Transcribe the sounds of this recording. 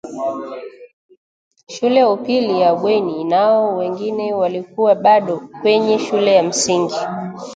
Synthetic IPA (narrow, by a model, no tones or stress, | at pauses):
ʃulɛjaupilijaɓwɛninaɔwɛŋɡinɛwalikuwaɓaɗɔkwɛɲɛʃulɛjam̩siŋɡi